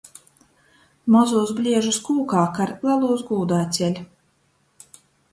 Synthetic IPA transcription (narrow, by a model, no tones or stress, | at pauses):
mɔzuːsblʲiɛʒuskuːkaːkaɾlˠalˠuːzɡuːd̪aːt̪sʲɛlʲ